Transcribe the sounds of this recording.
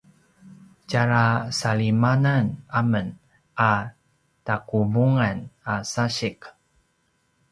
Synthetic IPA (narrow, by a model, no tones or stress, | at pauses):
t͡ʃaɾasalimananamən | a | takuvuŋanasaɕik